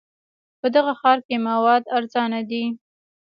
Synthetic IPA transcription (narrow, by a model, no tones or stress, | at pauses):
pəd̪aɣaxɑɾkemawɑd̪aɾzɑnad̪i